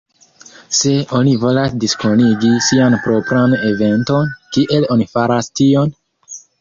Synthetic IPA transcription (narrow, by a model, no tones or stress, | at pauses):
se̞o̞nivo̞lasdisko̞niɡisianpɾo̞pɾane̞ve̞nto̞nkiʔe̞lo̞nifaɾastio̞n